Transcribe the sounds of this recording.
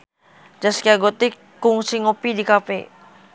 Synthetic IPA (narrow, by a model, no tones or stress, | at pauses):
d͡ʒaskiaɡot̪i | kuŋsiŋopidikape